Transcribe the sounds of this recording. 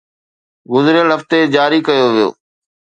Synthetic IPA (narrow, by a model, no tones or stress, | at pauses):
ɡʊzɾɪjəlɦəft̪ed͡ʑaːɾiːkəjoːʋɪjo̰ː